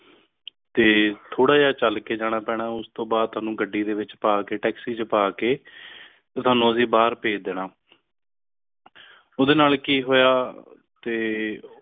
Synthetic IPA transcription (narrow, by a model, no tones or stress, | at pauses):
t̪eːt̪ʰoːɽaːd͡ʒaːt͡ʃəlkeːd͡ʒaːɽ̃aːpɛːɽ̃aːʊst̪õːbaːd̪̚t̪ʰʊaːnũːɡəɖːiːd̪eːʋɪt͡ʃpaːkeːʈɛːksiːt͡ʃəpaːkeː | t̪eːt̪ʰʊwaːnũːəsĩːbaːɾpeːd͡ʒd̪eːnaː | oːd̪eːnaːlkiːɦoːjaː | t̪eː